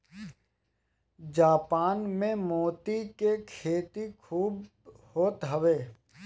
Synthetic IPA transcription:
d͡ʒaːpaːnmẽmoːt̪ikekʰeːt̪ikʰuːb | hoːt̪ɦəʋeː

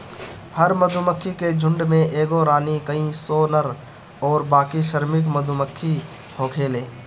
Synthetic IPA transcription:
həɾməd̪ʱuməkʰːiked͡ʒʱʊ̃ɳɖmẽʔeːɡoɾaːnikəĩsoːnəɾ | ɔːɾbaːkiʃəɾmɪk̬məd̪ʱuməkʰːi | hoːkʰeːleː

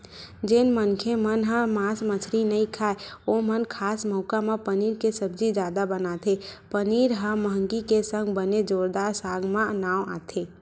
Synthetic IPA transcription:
d͡ʒeːnmənkʰemənɦə̃maːsmət͡ʃʰɾinəĩkʰaeomənkʰaːsmɔʊkamepəniːɾkesəbd͡ʒid͡ʒaːd̪abənat̪ʰepəniːɾɦə̃məɦə̃ŋɡikesə̃ŋɡbəned͡ʒoːɾd̪aːɾsaːɡʱmãnaːwa̰t̪ʰeː

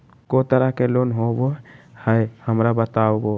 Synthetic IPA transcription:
kot̪əɾakelonɦobohəjhəmɾabət̪aobo

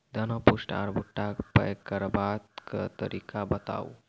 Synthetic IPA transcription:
d̪ənəpusʈa̰ɾbʱuʈːapə̰jkəɾbat̪kət̪əɾikʰabət̪a̰u

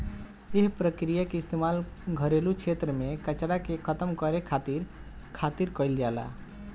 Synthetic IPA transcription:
eɦpɾəkɾijakeist̪emalɡʱəɾelukʰet̪ɾəmekət͡ʃɽakekʰət̪əmkəɾekʰat̪iɾkʰat̪iɾkəjld͡ʒala̰

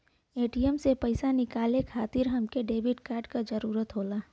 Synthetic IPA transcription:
eːʈijəmsepɐɪsanɪkaːlekʰaːt̪ɪɾɦɐmkeɖeːbɪʈkaːɾɖkad͡ʒɐɾuːɾət̪ɦoːlaː

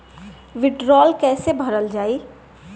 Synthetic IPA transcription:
ʋɪɖɾɔːlkɛːsebʱəɾəld͡ʒaːiː

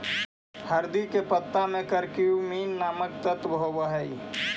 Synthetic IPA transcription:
həɾd̪ikepət̪ːamẽkəɾkiumiːnːaːmək̚t̪ət̪bɦobəɦəi

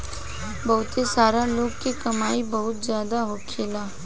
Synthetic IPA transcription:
bɐɦʊt̪esaːɾaloːɡkikɐmaːibɐɦʊt̪zjaːd̪aɦokʰeːlaː

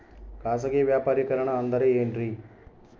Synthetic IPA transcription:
kaːs̬ɐɡeʋjaːpaːɾikɐɾɐɳɐːnd̪ɐɾeeːɳɖɾi

